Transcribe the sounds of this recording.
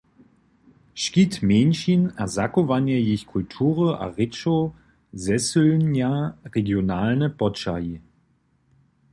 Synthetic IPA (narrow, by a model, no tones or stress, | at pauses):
ʃkitmɛnʃinazakovanjajɪçkʰultʰuːʁəʔa̰ʁɪt͡ʃo | zɛsølnjaʁeɡjonaːlnəpɔtt͡ʃa̰ji